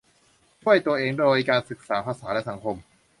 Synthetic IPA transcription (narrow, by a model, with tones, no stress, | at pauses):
t͡ɕʰu˥˩əjt̪u˧ɐʔeː˧ŋdoː˧jkaː˧nsɯ˨˩k̚saː˩˦pʰaː˧saː˩˦lɛ˦˥sa˩˦ŋkʰo˧m